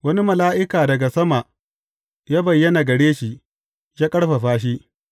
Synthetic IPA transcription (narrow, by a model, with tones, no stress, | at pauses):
wɐ˦ni˦mɐ˨laː˦ʔɪ˦kaː˨dɐ˨ɡa˨sɐ˦ma˨ʔ | jaː˦bɐ˨jːɐ˦naː˨ɡɐ˨ɽeː˦ʃi˦ʔ | jaː˦kʼɐ˦ɽɸa˨ɸaː˦ʃ̬i˦ʔ